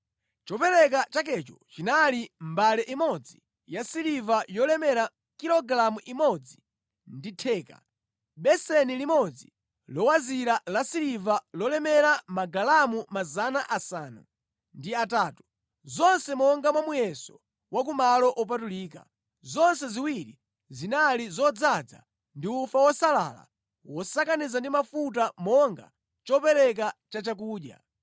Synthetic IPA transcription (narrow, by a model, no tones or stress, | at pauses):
t͡ʃɔpɛɾɛk̬at͡ʃak̬ɛt͡ʃɔt͡ʃinalimbalɛʔimɔd͡zi | jasiɾivajɔlɛmɛɾa | kiɾɔɡɾamuʔimɔd͡zi | nditʰɛːka̰ | ɓɛsɛnilimɔd͡zi | lɔwaziɾalasiɾivalɔlɛmɛɾamaɡalamumazanaʔasaːna̰ | ndiataːtu̥ | zɔnsɛmɔŋɡamwamujɛsɔ | wak̬umalɔʔɔp̬atuliːka̰ | zɔnsɛziwiɾi | zinalizɔd͡zad͡za̰ | ndiufawɔsala̰la̰ | wɔsakanizandimafut̬amɔŋɡa | t͡ʃɔpɛɾɛk̬at͡ʃat͡ʃak̬uːɗja̰